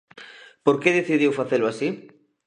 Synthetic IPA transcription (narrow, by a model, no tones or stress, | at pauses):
poɾkeðeθiðiwfaθelʊasi